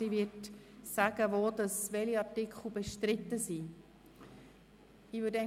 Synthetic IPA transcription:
iːvɪtsæɡəʋoːd̪ɑsʋɛliɑɾtɪkχl̩beʃtɾɪt̪ːəsi | iːʋøːɾdɛ

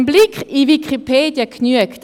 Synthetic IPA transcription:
nblikχivikʰχipʰeːdjəknyəkt

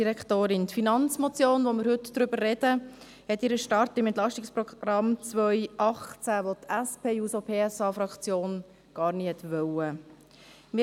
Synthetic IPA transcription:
diɾɛktoːɾɪnt̪finɑnt͡smot͡sjoːnʋoməɾhɵtd̥ɾʏbəɾrɛd̥ə | hɛtɪɾəʃtɑrtɪmɛnt̪lɑʃtɪkspɾɔɡɾɑmt͡sʋœʏʔɑχt͡sæʋot̪ʰɛspʰeːjuːsopʰeːɛsɑːfɾɑkt͡sjoːn | ɡ̥ɑːɾnihɛt̪ʋœwə | mɪ

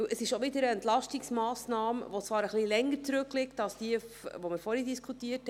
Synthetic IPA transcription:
wʔəsɪʃoʋɪdəɾəɛntlɑʃtiksmɑːsnɑːmʋot͡sʋɑːɾəχlilɛŋːəɾt͡sɾʉklɪktɑsd̥iːəʋomɪɾfɔɾhidiskʰutiəth

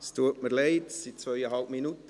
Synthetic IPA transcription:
stuətməleɪdsit̚t͡svœʏəɦɑlbminutə

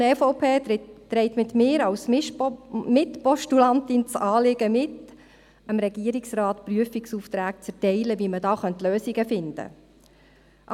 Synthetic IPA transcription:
ɛfoʊpʰeːtɾɛɪtmɪt̪mɪːɾɑws | mɪtpɔʃtulɑnt̪ɪnt͡sɑːlɪɡ̥əmɪt | əmɾɛɡ̥iəɾiksrɑːtpryəfiksuːft̪ɾæːk̚t͡sɛtɛɪləʋimədɑːχœntløːsiɡəfɪnd̥̪ə̰ | ʔ

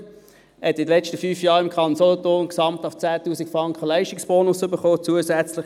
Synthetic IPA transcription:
hɛtɪd̪əlɛt͡ʃtəfyːfjɑːʁɪmkʰɑnnsɔlɔtonksɑmtɑft͡sæːtuːsikfʁɑŋkχəlæɪʃtɪksb̥oːnʊsʏbəχoːt͡suəsæt͡sləχ

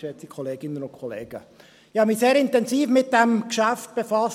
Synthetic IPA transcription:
ɛt͡sikʰχɔleːɡɪnənʊnkʰχɔlḛːɡ̥ə̰ | ɪhɑmiseːɾɪntɛnsiːfmɪt̚d̥æmkʃæft̚b̥efɑs

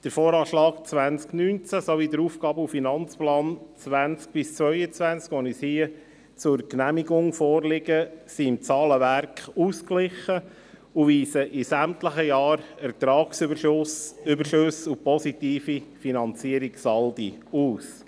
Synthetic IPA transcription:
d̥əɾfoːɾɑːʃlɑːkt͡sʋænsknyːnt͡sæsoʋidəɾuːfɡ̥ɑːbəufinɑnt͡splɑːnt͡sʋænt͡sk̚b̥ɪst͡sʋœʏət͡sʋænt͡skʋɔnishiə | t͡sʊɾknæmiɡʊŋfɔːɾlɪɡəsiɪmt͡sɑːləʋæɾkχuːsklɪχə | ʊviːsəʔɪsæmt̪ləχəjɑːɾɛɾt̪ɾɑːksʏbəɾʃʊsʏbəʃøsupɔsit̪iːfifinɑnt͡siəɾiɡsɑldḭuːs

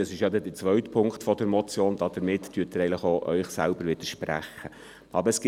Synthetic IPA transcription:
ɑsɪʃjɑdɛdət͡sʋœɥtpʰʊŋktfɔdəɾmɔt͡sjoːnd̥̪ɑd̥̪əɾmɪtːyːtəɾɛɪɪŋləχoʔœʏχsæ̰lbəɾʋɪd̥əʃpræ̰χə | ʔɑ̰bəɾəsɡ̥ɪ

